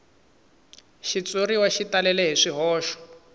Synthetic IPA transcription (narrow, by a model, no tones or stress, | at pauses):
ʃit͡soriwaʃitalɛlɛɦiʂiɦɔːʃɔ̥